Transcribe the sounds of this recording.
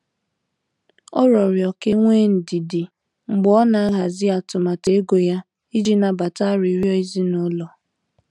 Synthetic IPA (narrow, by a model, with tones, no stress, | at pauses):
ɔ˦ɾɔ˨ɾjɔ˨ke˦ŋʷe˦n̩˨di˨dɪ˨ | ŋ͡m̩˨ɡ͡bɔɔ˦na˨˦a˦ɦa˨zɪ˦a˨tʊ˨ma˨te˨e˦ɡo˨ja˦ | i˦d͡ʒi˦na˨ba˨ta˦ɾi˨˦ɾjɔ˦i˦zi˦nʊ˦lɔ˨